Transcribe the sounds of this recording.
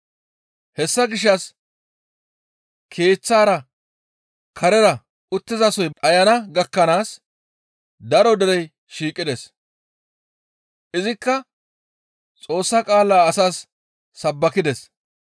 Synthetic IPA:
hɛsːɐɡɪʃ̬ːɐs | kʰe̞ːt͡sːaːɾɐ | kʰɐɾɛɾɐ | ʊt̪ːɪzɐsɔjɐjɐnɐɡɐkːɐnaːs | d̪ɐɾɔd̪ɛɾɛj | ʃiːkʼːɪd̪ɛs | ʔɪzɪkːɐ | t͡sʼo̞ːsːɐkʼaːlːaːɐsaːsː | ɐbːɐkɪd̪ɛs

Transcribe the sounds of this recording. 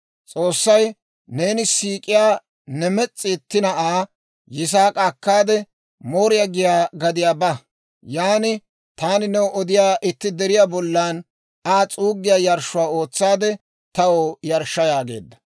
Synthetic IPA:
t͡sʼo̞ːsːɐj | ne̞ːnɪsiːkʼɪjaː | nɛmɛt͡sʼːɪt̪ːɪnɐaː | jɪs̬aːkʼakːaːd̪ɛ | moːɾɪjaɡɪjaːɡɐd̪ɪjaːbɐ | jaːnɪ | t̪aːnɪnɛwɔʔɔd̪ɪjaːʔɪt̪ːɪd̪ɛɾɪjaːbɔlːaːn | aːt͡sʼuːɡɪjaːjɐɾʃʊwaːo̞ːt͡sːaːd̪ɛ | t̪ɐwojɐɾʃːɐjaːɡe̞̰ːd̪ːɐ̥

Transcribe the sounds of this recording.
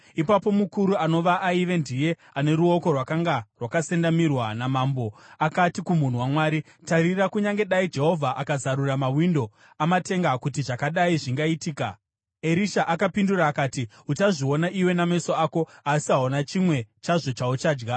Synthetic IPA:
ipapo̞mukuɾuano̞ʋaʔːiʋe̞ndije̞ | ane̞ɾuo̞ko̞rwakaŋɡarwakase̞ndamirwanamaːmbo̞akatikumun̤uwamwaːɾi | taɾirakuɲaŋɡe̞ɗaid͡ʒe̞ɦo̞vʱaʔakazaɾuramawindo̞ | amate̞ŋɡakutiʐakaɗaiʐiŋɡaitiːka | e̞ɾiʃaʔakapinduraːkaːti | ut͡ʃaʐio̞naʔiwe̞namaisoaːko̞asiɦaunat͡ʃimwe̞t͡ʃaʐo̞t͡ʃaut͡ʃaːd͡ʒɡa

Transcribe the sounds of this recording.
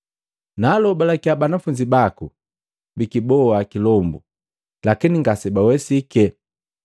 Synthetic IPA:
nalɔbalakiabanafuɲd͡ʒibaku | bikibɔakilɔmbṵ | lakiniŋɡasɛbawɛsikɛ

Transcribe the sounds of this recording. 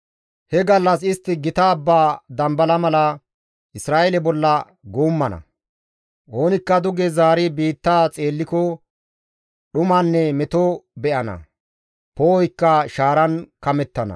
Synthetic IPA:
hɛɡɐlːɐsɪst̪ːɪɡɪt̪aːbːaːd̪ɐmbɐlɐmɐlɐ | ʔɪsɾaːʔɛlɛbɔlːɐ | ɡoːmːɐnɐ̰ | ʔoːnɪkːɐd̪ʊɡɛzaːɾɪbiːt̪ːaːt͡sʼe̞ːlːɪkɔ | ɗʊmanːɛmɛt̪obɛʔɐnɐ̰ | poːɔjkːɐʃaːɾɐnkɐmɛt̪ːɐnɐ̰

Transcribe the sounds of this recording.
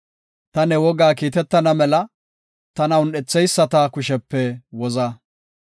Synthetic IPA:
t̪ɐnɛwɔɡaːkiːt̪ɛt̪ːɐnɐmɛlɐ | t̪ɐnɐwʊnɗɛt͡sːɛjsːɐt̪ɐkʊʃɛpːɛwɔzɐ

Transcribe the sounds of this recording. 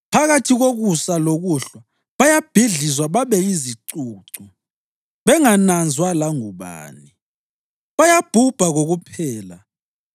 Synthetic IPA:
pʰaɣatʰiɣoɣusaloɣuɬwa | βajab̥ʱiɮizwaβaβɛiziǀuːǀu | βɛŋanand͡zʱwalaŋuβa̰ːni | βajab̥ʱub̥ʱaɣoɣupʰɛːla

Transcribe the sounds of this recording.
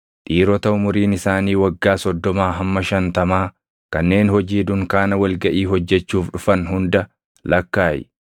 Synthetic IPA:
t̪ʼiːɾɔt̪ɐʊmʊɾiːnɪsaːniːwɐɡːaːsɔd̪ːɔmaːɦɐmːɐʃɐnt̪ɐmaː | kɐnːe̞ːnhɔd͡ʒiːd̪ʊŋkaːnɐwɐlɡɐʔiːhɔd͡ʒːɛt͡ʃːuːfᶑʊfɐnɦʊnd̪ɐ | lɐkːaːjɪ̰

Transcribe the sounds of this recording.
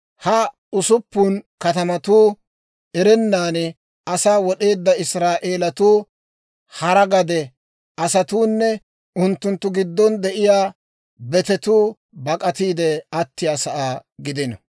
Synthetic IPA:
hɐ | ʊsʊpːuːnkɐt̪ɐmɐt̪uː | ɛɾɛnːaːn | ɐsaːwɔɗe̞ːd̪ːɐɪsɾaːʔeːlɐt̪uː | hɐɾɐɡɐd̪ɛ | ɐsɐt̪uːnːɛ | ʊnt̪ːʊnt̪ːʊɡɪd̪ːɔnd̪ɛʔɪjaː | bɛt̪ɛt̪uː | bɐkʼɐt̪iːd̪ɛɐt̪ːɪjaːsɐʔaːɡɪd̪ɪnɐ̰

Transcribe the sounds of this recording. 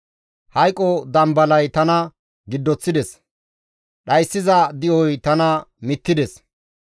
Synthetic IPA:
hɐjkʼɔd̪ɐmbɐlɐjt̪ɐnɐ | ɡɪd̪ːɔt͡sːɪd̪ɛs | ɗɐjsːɪzɐd̪ɪʔɔjt̪ɐnɐmɪt̪ːɪd̪ɛs

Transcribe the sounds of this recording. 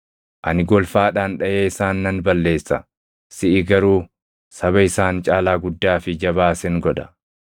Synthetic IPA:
ʔɐnɪɡɔlfaːᶑaːnᶑɐjeːɪsaːnːɐnbɐlːe̞ːsːɐ | sɪʔɪɡɐɾuː | sɐβɐɪsaːnt͡ʃʼaːlaːɡʊd̪ːaːfɪd͡ʒɐβaːsɛŋɡɔᶑɐ̥

